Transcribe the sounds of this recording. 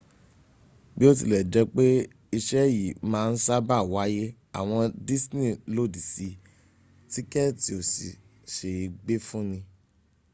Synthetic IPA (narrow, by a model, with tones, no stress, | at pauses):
bi˦o˦t̬ḭ˧lɛ˨d͡ʒɛ˧k͡pe˦ | i˧ʃɛ˦ji˨mãː˦˧n̩˦sa˦ba˦˨wa˨˦je˦ | a̰˨w̃ɔ̃˧di˦snĩ˦˨lo˦˨di˨si˧ | ti˦kɛ˦ti˧˦o˨si˨ | ʃe˨i˨˧ɡ͡be˦fũ˦nĩ˧